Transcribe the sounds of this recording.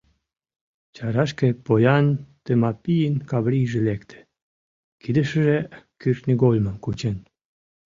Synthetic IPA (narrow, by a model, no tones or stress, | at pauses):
t͡ɕɑɾɑʃkepojɑnt̪emɑpijənʲkɑβɾiʒelekt̪ʰe̥ | kid̪ə̆ʃə̆ʒekyrʃnʲiɡolʲməmkut͡ɕen